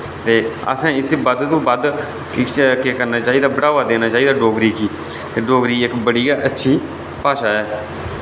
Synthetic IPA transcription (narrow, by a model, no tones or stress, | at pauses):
t̪eːə̰sãːɪsbəd̪t̪õːbad̪ | keːkəɾnaːt͡ʃaːiːd̪aːbəɽaːʋaːd̪eːnaːt͡ʃaːiːd̪aːɖoːɡɾiːkiː | t̪eːɖoːɡɾiːɪkbəɽiːaːʔətːʃʰiː | paːʃaːɛː